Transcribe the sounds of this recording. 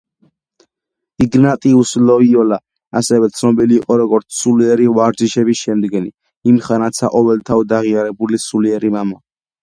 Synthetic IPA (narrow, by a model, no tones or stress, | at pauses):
iɡnat̪ʼiuslɔiɔla | asɛwɛt̪sʰnɔbiliːqʼɔɾɔɡɔɾt̪sʰsuliɛɾivaɾd͡ʒiʃɛbisʃɛmd̪ɡɛni | imχanat̪sʰaqʼɔvɛlt̪ʰavd̪aʁiaɾɛbulisuliɛɾimama